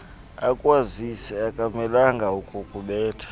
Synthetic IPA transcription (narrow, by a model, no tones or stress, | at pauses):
akʼwazisɛakʼamɛlaŋɡʱaukʼukʼuɓɛːtʰḁ